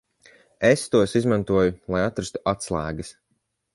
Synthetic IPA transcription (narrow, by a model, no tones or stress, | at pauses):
est̪uɔsizmãnt̪uɔjulˠajat̪ɾast̪u̥at̪slˠæːɡɨs